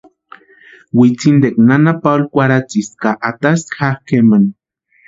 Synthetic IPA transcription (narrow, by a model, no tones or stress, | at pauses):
wit͡sind̪eknanapalkʷaɾat͡siskaʔat̪asxaxkeman